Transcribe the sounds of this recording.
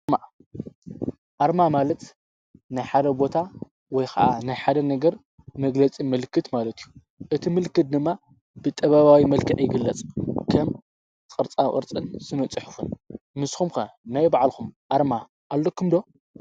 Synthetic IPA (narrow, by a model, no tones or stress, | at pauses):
ma | ʔaɾmamalɐt̪ | najħad̪ɐbo̞t̪ʰa | wɔjkʰa̰ʔanajħad̪ɐnɐɡɐɾ | mɐɡlɐt͡sʼimɨlkʰːɨt̪malɐt̪ʰijːu | ʔɨt̪ʰimɨlkɨt̪̚d̪ɨmːa | b̥ɨt̪ʼɐβaβawimɐlkʰɐʕjɪɡɨlːɐt͡sʼkʰɐm | kʼɨɾt͡sʼakʼɨ̰ɾt͡sʼɨnsɨnɐt͡sʼɨħʊfunmɨsxumxɐnajbaʕlkumʔaɾma | ʔalːokʰːumd̪o̞